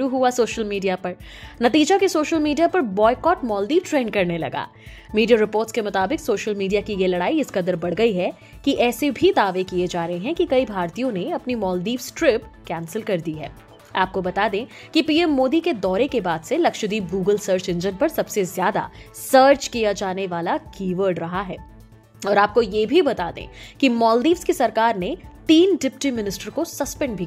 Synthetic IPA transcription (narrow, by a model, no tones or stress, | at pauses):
uɦuasoːʃəlmiːɖijapɐɾ | nɐt̪iːd͡ʒakisoːʃəlmiːɖijapɐɾbɔːɪkɔːʈmɔːld̪iːʋʈɾẽːnkɐɾnelɐ̰ɡa̰ː | miːɖijaɾɪpoːɾʈskemʊt̪aːbɪksoːʃəlmiːɖijakijelɐɽaːiɪskɐd̪əɾbɐɽɡɐiɦɛ | kiʔɛːsebʱid̪aːʋekijed͡ʒaːɾɐɦeɦɛ̃kikɐibʱaːɾt̪ijõneɐpnimɔːld̪iːʋsʈɾɪp̚kɛ̃ːnsəlkɐɾd̪iɦɛ̰ː | aːp̚kobɐt̪aːd̪ẽː | kipiːɛmːoːd̪iked̪ɔːɾekebaːd̪selɐkʃəd̪iːb̚ɡuːɡəlsəːɾt͡ʃɪ̃nd͡ʒənpɐɾsɐbsezjaːd̪a̰səːɾt͡ʃkijad͡ʒaːneʋaːlakiːʋəːɾɖɾɐɦaɦɛː | ɔːɾaːp̚kojeːbʱibɐt̪aːd̪ḛ̃ːkimɔːld̪iːʋskisɐɾkaːɾnet̪iːnɖɪpʈimɪnɪsʈəɾkosɐspɛ̃ɳɖbʱik